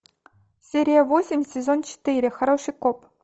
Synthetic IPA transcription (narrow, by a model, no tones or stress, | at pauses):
sʲeɾʲijavosʲɪmʲsʲezʲont͡ɕɪ̥t̪ɨɾʲɪ̆xɐɾoʂɨjkop